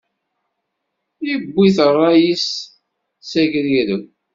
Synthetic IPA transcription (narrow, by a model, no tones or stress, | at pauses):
jiɡʷːiθərˤːɑjis | sæʝɾiɾə